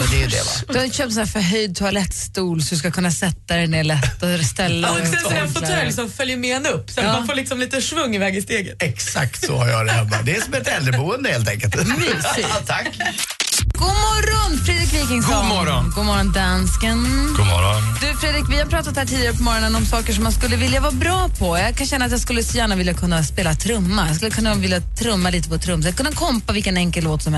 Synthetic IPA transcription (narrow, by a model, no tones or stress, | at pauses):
d̪ɛjɵd̪ɛ̰va̰d̪ɵhaɪnt̪əɕøːp̪̚snæːfœɾɦœjd̪̚t̪ʰʊalɛt̪ːst̪uːlsɔd̪ɵs̬kakʰɵnːasɛt̪ːaɾɛnːɭɛt̪ːɔst̪ɛlːaɛɛnfɔt̪ːlɪks̬ɔmfœljəmɛɛnɵpːsɔat̪ːmanfoːlɪksɔmliːt̪əʂvɵŋːɪvɛːɡɪst̪eːɡət̪ɛksa̰k̚t̪sɔ̰haɾjɑ̰d̪hɛmːa̰d̪ɛæsɔmɛt̪ɛldɾəbuːənd̪əeːlt̪ɛŋkəlt̪ɪt̪ʰakː | ɡ̥umɔɾɔnfɾeːd̪ɾɪkviːkɪŋsɡɔɾɔɡumɔɾɔnd̪anskənɡuɔ̰ɾɔd̪ʉfɾeːd̪ɾɪkvɪhaɾpɾɑːt̪at̪hæːʈʰiːd̪ɪaɾəpʰɔmɔɾɔnənɔmsɑːkəʂɔmːanskɵlːəvɪljavɑːbɾɑːpʰɔjaɡkʰanɕɛnːat̪jaskɵlːəsɔjæːɳavɪljakʰɵnːaspeːlat̪ʰɾɵmːajɑskɵlːəkʰɵnːavɪljat̪ʰɾɵmːaliːt̪əvoːʈʰːɾɵmːsat̪kɵnːakʰɔmpavɪlkənɛŋkəllːoːt̪sɔmɛ